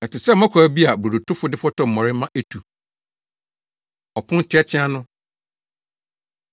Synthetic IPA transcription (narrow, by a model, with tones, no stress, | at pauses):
ɛ˨tʰɪ˨sɛ˦˨˦ã˦kʰæ˨bi˦a˨bu˨ɾu˨tʰʊ˦fʊ˦dɪ˦fɔ˦tʰɔ˨m̩˨mɔ̃˨ɾɪ˦mã˦ʔe˦tʰu˨ | ɔ˨pʰʊ̃˦n˦tʰɪ˦ɛ˦t͡ɕʰɪ̃˦ã˦nʊ̃˦